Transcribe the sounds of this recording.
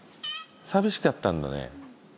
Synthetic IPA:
sabʲiɕi̥kat̪ːãnd̪a̰nḛ

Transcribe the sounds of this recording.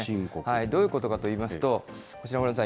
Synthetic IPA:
ikohaid̪o̞ːjɯ̟ko̞t̪o̞kat̪o̞iːmasɨ̥t̪o̞ | ko̞t͡ɕiɾakoɾnsã

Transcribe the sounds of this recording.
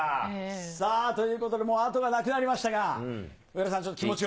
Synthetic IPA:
sat̪o̞jɯ̟ːko̞t̪od̪e̞mo̞ːat̪o̞ɡanakɯ̟naɾʲimaɕi̥t̪aɡa | ɯeɾas̬ãɲt͡ɕot̪ːo̥kimo̞t͡ɕi

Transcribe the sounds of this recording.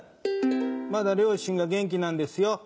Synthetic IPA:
mad̪aɾewoʃiŋɡaɡ̬eŋk̬inãnd̪esijɔ

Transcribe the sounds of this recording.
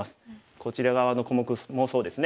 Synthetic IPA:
asɨ̥ | ko̞t͡ɕiɾaɡaβ̞ano̞ko̞mo̞kɯ̟mo̞so̞ːd̪e̞sɨne

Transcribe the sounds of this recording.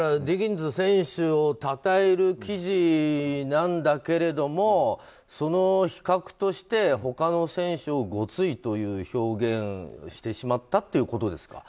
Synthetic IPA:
ad̪ʲiɡʲĩnd͡zɨsẽ̞ɰ̃ɕɨot̪at̪aeɾɯ̟kʲiʑinãnd̪ake̞ɾe̞d̪o̞mo̞ | so̞no̞çi̥kakɯ̟̥t̪o̞ɕi̥t̪e̞ɦo̞kano̞sẽ̞ɰ̃ɕɨoɡo̞t͡sɨit̪o̞jɯ̟ːço̞ːɡẽ̞ɰɕi̥t̪e̞ɕimat̪ːat̪ːeiɯ̟ko̞t̪o̞d̪e̞sɨ̥ka̰

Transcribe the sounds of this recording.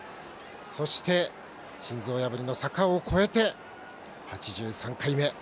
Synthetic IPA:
so̞ɕi̥t̪e̞ | ɕĩnzo̞ːjabɯɾʲino̞sakaokʰo̞e̞t̪e̞ | hat͡ɕiʑɨːsãŋkaime̞

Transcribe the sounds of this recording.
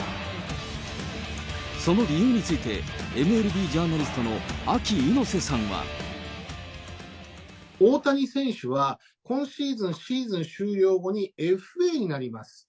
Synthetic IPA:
so̞no̞ɾʲijɯ̟ːɲ̟it͡sɨit̪e̞̰emɯ̟e̞ɾɯ̟bʲiːʑaːnaɾʲisɨ̥t̪o̞no̞akʲiːno̞se̞sãɰ̃βa̰ | o̞ːt̪aɲ̟isẽ̞ɰ̃ɕɨβa | kõ̞ɰ̃ɕiːzɨ̃ɰ̃ɕiːzɨ̃ɰ̃ɕɨːɾʲjo̞ːɡo̞ɲ̟ie̞ɸɯ̟e̞ɲ̟inaɾʲimasɨ̥

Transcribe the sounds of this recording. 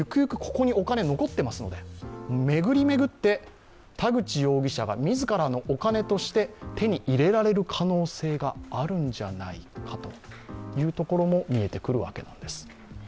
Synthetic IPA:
jɯ̟kɯ̟jɯ̟kɯ̟̥kʰo̞̥ko̞ɲ̟io̞kane̞no̞ko̞t̪ːe̞masɨno̞̰d̪e̞me̞ɡɯ̟ɾʲime̞ɡɯ̟t̪ːe̞ | t̪aɡɯ̟t͡ɕijo̞ːɡʲiɕaɡamʲizɨkaɾano̞ʔokane̞t̪o̞ɕi̥t̪e̞t̪e̞ɲ̟iʔiɾe̞ɾaɾe̞ɾɯ̟kʰano̞ːse̞ːɡaːɾɯ̟̃ɲd͡ʑanaikʰat̪o̞jɯ̟ːt̪o̞ko̞ɾo̞mo̞mʲie̞t̪e̞kɯ̟ɾɯ̟βa̰ke̞nã̰nd̪e̞sɨ̥

